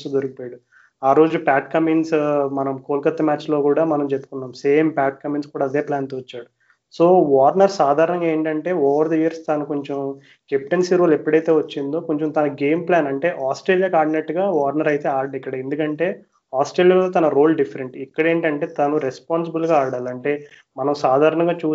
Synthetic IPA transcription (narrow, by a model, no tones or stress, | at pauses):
t̪ud̪oɾɐkipojaɽu | aːɾoːd͡ʒupaːʈkɐmiːnsmɐnɐmkoːlkɐt̪ːɐmaːt͡ʃlo̞ːkuːɽaːmɐnɐmt͡ʃepːukunːaːmse̞ːmpaːʈ̚kɐmiːnskuːɽaːɐd̪eːplaːnt̪oːʋɐt͡ʃːaːɽu | so̞ːʋaːɾnɐɾsaːd̪ʱaːɾɐɳɐŋɡaeːɳʈɐɳʈe̞ːɔːʋɐɾd̪ɐjiɾst̪anuko̞ɲt͡ʃem | kepʈɐnsiːɾoːlepːɐɽɐjt̪e̞ːʋɐt͡ʃːind̪o̞ːkoɲt͡ʃɐmt̪ɐnɐɡe̞ːmplaːnɐɳʈe̞ːʔaːsʈɾeːlijaːkaːɾɖineʈːɡaːʋaːɾnɐɾɐjt̪eːaːɾɖikːɐɽɐend̪ukɐɳʈe̞ː | aːsʈɾeːlijaːloːt̪ɐnɐɾoːlɖipʰːɐɾeɳʈikːɐɽe̞ːɳʈɐɳʈe̞ːt̪ɐnuɾespaːns̬ibulɡaːaːɽaːlɐɳʈe̞ː | mɐnɐmsaːd̪ʱaːɾɐɳɐŋɡaːt͡ʃuː